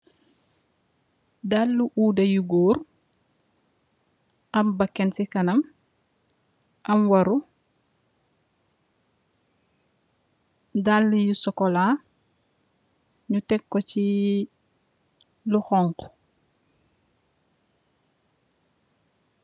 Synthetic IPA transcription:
dalːuʔuːdɐjuɡoːɾ | ʔɐmbɐkːɛnsikɐnɐm | ʔɐmwɐɾu | dalːujusɔkɔla | ɲutɛkːoci | luxɔŋk

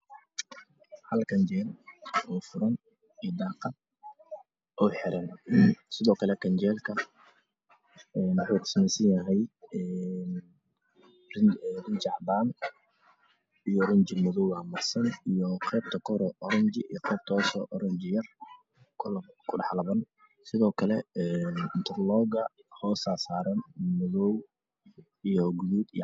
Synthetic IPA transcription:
hɐlkʰɐnt͡ʃɛːnɔːfʊɾɐn | ijd̪ɑːqɑd̪ | ʔɔːħɪɾɐnsɪðɔːkʰɐlɛkʰɐnt͡ʃɛːlkʰɐ | ɛːnwʊħuːt̪ʰɪ̥smɛjsɐnjɐɦɛjɛːn | rɪnt͡ʃɑħbaːn | ijɔrɐɲt͡ʃɪmʊðɔwamɐrsɐnijɔqʰɛːb̚t̪ʰɐkʰɔɾɔʔɔɾɐɲt͡ʃɪijqɛːb̚t̪ʰɔːsɔʔɔɾɐɲt͡ʃɪjɐr | kʰkʰʊɖɑħlɐβɐn | sɪðɔːkʰɐlɛɛːnɪnt̪ʰɛrlɔːɡɐ | hɔːsaːsaːɾɐnmʊðɔw | ijɔɡʊðuːd̪i

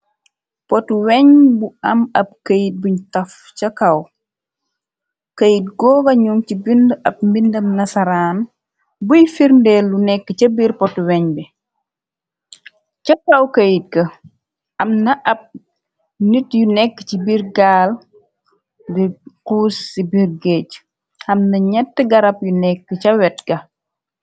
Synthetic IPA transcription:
pɔtuwɛɲbuɐmɐp̚kəjit̚buɲtɐf | t͡ʃɐkɐw | kɐjit̚ɡɔːɡɐɲuŋcibindɐp̚mbindɐmnɐsɐɾaːn | bujfiɾndɛːlːunɛkːət͡ʃɐbiːɾpɔtuwɛɲbɛ | cɐkːɐwkɐjit̚ɡɐ | ɐmnɐʔɐp̚ | nitjunɛkːə̥t͡ʃibirɡaːl | diquːsːibirɡɛːc | ɐmnɐɲɛtːəɡɐɾɐpjunɛkːət͡ʃɐwɛt̚ɡɐ

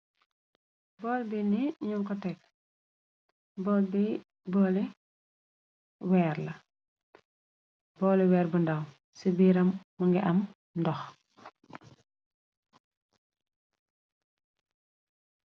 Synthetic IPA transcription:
bɔlbiniɲuŋkɔtɛk | bɔlbi | bɔli | wɛːrlɐ | bɔːliwɛːɾbundɐw | sibiːɾɐmːuŋɡɛʔɐm | ndɔx

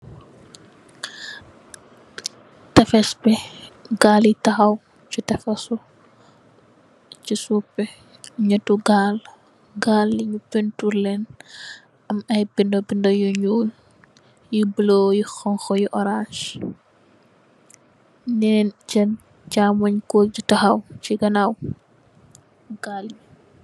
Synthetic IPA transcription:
tɛfɛspɛɡalitɐxɐw | t͡ʃutɛfɐsu | cisupːɛ | ɲɐtuɡaːl | ɡaːlːiɲupɛntulɛn | ɐmɐjbindɔbindɔjuɲuːl | jibəlojixɔŋxɔjiʔɔɾanʃ | nɛnɟɐn | camɐɲkɔːd͡ʒitɐxɐwt͡ʃiɡɐnaw | ɡ̥aːli

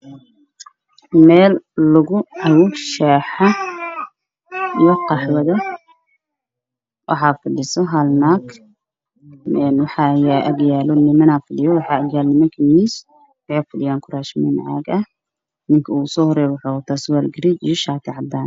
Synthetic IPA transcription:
mɛːlːʊɣʊʕawʊʃɛːħa | ijɔqɑħwɐðɐ | wʔɑ̰ħɑːfɐɖɪsɔɦɐlnaːɡ | ɛnwɑħɑjaʔɐɡjaːlɔnɪmɐnaːfɐɖɪjɔwɑħɑːɐɡjaːlnɪmɐkʰiniːs | wɑħeːfʊɖɪjaːŋkʰʊɾaːʃmɪ̰nʕa̰ːɡɐh | nɪŋkʰɐuːsɔːhɔɾɛjwʊħɔːt̪ʰaːswaːlɡɪɾit͡ʃijɔʃaːt̪ʰɪʕɑb̪aːn

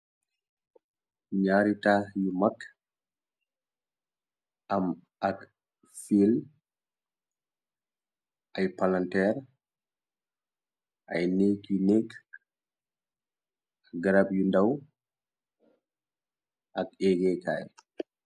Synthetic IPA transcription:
ɲaɾitajimakː | ʔam | ak | fil | ʔajpalantɛɾ | ʔajnekinek | aɡaɾabjundaw | ʔakɛɡɛka̰j

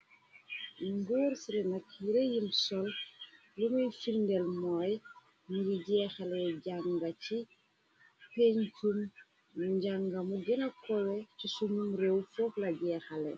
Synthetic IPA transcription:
ŋɡɔɾsiɾinɐk̚jiɾejimsɔl | lumɐjfiɾndɛlmɔːj | niɡiɟɛːxɐlɛɟaŋɡɐci | peɲkum | nuɲɟaŋɡɐmuɡinɐkɔwɛcisumumrewfɔklɐɟɛːxɐlɛ̰

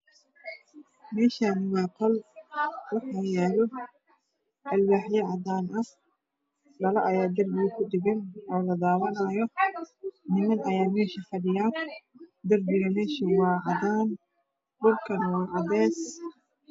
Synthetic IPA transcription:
mɛːʃaːnɪwɑːqʰɐl | wɑħajɛːlɔ | ʔɐlwaːħjɛʕɑdaːnʔɐh | ɖɐlɐʔɐjaːd̪ɐrbɪɣɐkʰʊɖɪɣɛnʔɔːlɐd̪aːwɐnɐːjɔ | nɪmɐnɐjaːmɛːʃifɐɖɪjaːnd̪ɐrbɪɣɐmɛːʃiwɑːʕɑdaːn | dʊlkʰɐnɐwɑːʕɑðɛːs

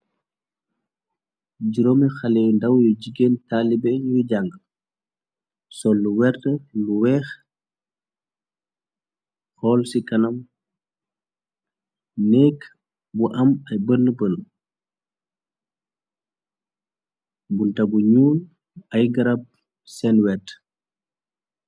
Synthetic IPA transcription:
d͡ʒiɾomixalɛːjndawjuɟiɡentalibɛɲud͡ʒaŋɡəl | sɔlːuwɛɾtəluwɛːx | xɔːlsikɐnam | nɛːkː | buʔɐmɐjbənːəbən | buntɐbuɲuːl | ɐjɡɐɾab̚ | sɛnwɛt

